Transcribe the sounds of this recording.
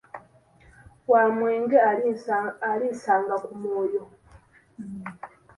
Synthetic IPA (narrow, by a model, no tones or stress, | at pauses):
wamweːŋɡe | aɾiːnsaːŋɡakumoːjo